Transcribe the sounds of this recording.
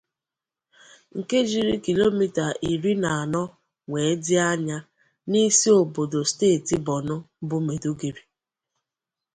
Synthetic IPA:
ŋ̩˨ke˦d͡ʒi˨ɾi˦ki˨lo˦mi˦ta˨ʔi˨ɾi˦na˨a˨nɔ˦ | ŋe˨˦dɪ˦a˦ɲa˦ | ni˦si˦o˨bo˨do˨steː˦˨ti˨bɔ˨nʊ˦bʊ˦me˨du˦ɡi˨ɾi˨

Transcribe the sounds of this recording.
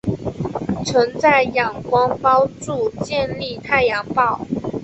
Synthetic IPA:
t͡sʰɤ˧˥ŋt͡sa˥˩ɪjɑ˨˩ŋkwɑ˥ŋpɑ˥ʊʈ͡ʂu˥˧t͡ɕjɛ˥˧nli˥˧t̪ʰa˥˩ɪjɑ˧˥ŋpɑ˥˩ʊ

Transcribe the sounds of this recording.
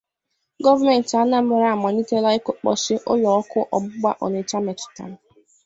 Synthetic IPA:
ɡɔ˦va˦me˨n̩˨ta˨˦na˦m̩˦˨ɾa˦˨mɔ˨ni˦te˦la˦ɪ˦ko˨k͡pɔ̰˨sɪ˦ʔʊ˦lɔ˨ɔ˦kʊ˦ʔɔ˨ɡ͡bʊ˦ɡ͡ba˦ʔɔ˨ne˨t͡ʃa˦me˨tʊ̥˨ta̰˨m˨

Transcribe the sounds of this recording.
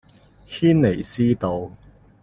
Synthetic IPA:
hʰiː˥nle˨˩jsiː˥t̪o˧w

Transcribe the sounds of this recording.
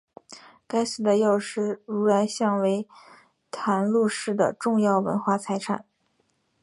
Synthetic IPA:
ka˥ɪs̩˧˥˩d̪ə˧jo˥˧ʊʂɻ̩˥˩ɻu˧˥la˧˥ɪɕjɑ˥˩ŋwe˧˥ɪ | t̪ʰa˧˥nlu˥˧ʂɻ̩˥˩d̪ə̰˩ʈ͡ʂʊ˥˧ŋjɑ˥˩ʊwə̰˧˥nxwa˥˩t͡sʰa˧˥ɪʈ͡ʂʰa̰˨˩˦n

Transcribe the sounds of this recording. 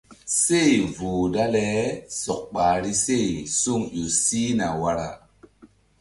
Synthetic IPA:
se˦˨jvuː˨da˦lɛ˦sɔ˨k̚k͡paː˨ɾi˦se˦˨jsu˦ŋju˨si˦na˨wa˦ɾa˦

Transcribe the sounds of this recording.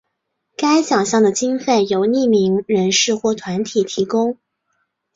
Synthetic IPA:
ka˥ɪɕjɑ˨˩ŋɕjɑ˥˩ŋd̪ə˩t͡ɕi˥ŋfe˥˩ɪjo˧˥ʊni˥˩mi˧˥ŋɻə˧˥nʂɻ̩˥˧xwɔ˥˩t̪ʰwa˧˥nt̪ʰi˨˩t̪ʰi˧˥kʊ˥ŋ

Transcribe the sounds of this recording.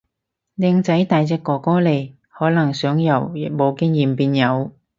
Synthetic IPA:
lɛ˧ŋt͡sɐ˨˥jt̪aː˨jt͡sɛː˧˥kːɔː˨kɔː˥le˨˩j | hɔː˨˥lɐ˨˩ŋsœː˨˥ŋjɐ˨˩w̚mo˨˧wkɪ˥ŋjiː˨˩mpiː˧njɐ˨˧w

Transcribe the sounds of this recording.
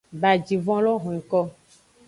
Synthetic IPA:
ba˨d͡ʒi˨vɔ̃˦lɔ˦ɦɔ̃˨ĩ˨kɔ˦

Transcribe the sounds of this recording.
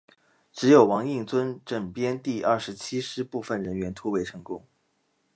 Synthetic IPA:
ʈ͡ʂɻ̩˧˥jo˨˩ʊwɑ˧˥ŋi˥˩ŋt͡swə˥nʈ͡ʂə˨˩ŋpjɛ˥nt̪i˥˧ʔɐ˥˩ʂɻ̩˧˥t͡ɕʰi˥ʂɻ̩˥pu˥˧fə˨˩nɻə˧˥nɥɛ˧˥nt̪ʰu˥we˧˥ɪʈ͡ʂʰɤ˧˥ŋkʊ˥ŋ

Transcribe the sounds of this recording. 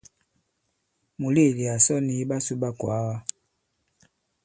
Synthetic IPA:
mu˨li˦˨li˨a˨sɔ˦ni˦ba˦su˦ba˦kwa˨˦wa˦

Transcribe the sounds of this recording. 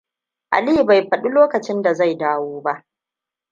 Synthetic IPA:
ʔa̰˨li˦ba˨jɸɐ˨ɗu˦loː˦kɐ˨t͡ʃɪ˦nda˨za˦˨jdaː˦woː˦ba˦ʔ

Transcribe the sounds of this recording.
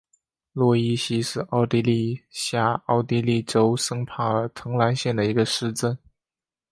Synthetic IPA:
lwɔ˥˧i˥ɕi˥ʂɻ̩˥˧ʔɑ˥˩ʊt̪i˥li˥˧ɕja˥˩ɑ˥˩ʊt̪i˥˧li˥˩ʈ͡ʂo˥ʊʂɤ˥ŋpʰa˥˩ə˞˨˥˩t̪ʰɤ˧˥ŋla˧˥nɕjɛ˥˩nd̪ə˩i˧˥ɡə˧ʂɻ̩˥˧ʈ͡ʂə˥˩n

